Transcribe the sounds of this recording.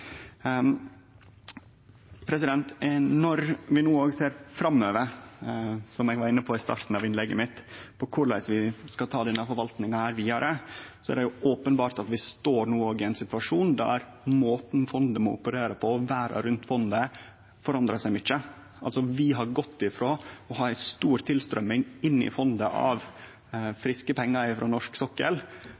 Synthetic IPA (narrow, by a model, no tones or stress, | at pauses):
pʰɾɛs̬ɪd̪ɛnt̪nɔɾʋɪnuːoːɡseːɾfɾɑmːøːʋəɾ | sɔmɛɡʋɑɾɪnːəpʰɔɪst̪ɑ̰ːɾt̪n̩ɑʋɪnlɛɡːəmɪt̪pʰɔkʰʊɭæ̰ɪsʋɪskɑt̪ʰɑːd̪ɛnːəfɔɾʋɑlt̪nɪŋɑhæːɾʋiːɑɾʔəsɔæ̰ɖɛjʊʔoːpənbɑːɾt̪ɑt̪ʋɪst̪oːɾɳuːoːɡɪæɪnsɪt̪ʋɑʂuːnd̪æ̰ɾ | moːt̪n̩fɔnd̪əmɔʊ̰pːəɾeːɾəpʰɔɔʋæːɾɑ̰ɾʉnt̪fɔnd̪ə | fɔɾɑnd̪ɾɑsæɪmʏt͡ʃːə | ʔɑlsɔʋɪɦɑɾɡɔt̪ːɪfɾoːɔɦɑːæst̪uːɾt̪ʰɪlst̪ɾœmːɪŋɪnːɪ̰fɔnd̪əʔɑ̰ʋ | fɾɪskəpʰɛŋːɑɪfɾɔnɔʂksɔkːə̰l